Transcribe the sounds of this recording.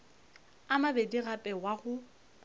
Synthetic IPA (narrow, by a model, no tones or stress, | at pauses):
amabediɣapʼɛwaɣʊ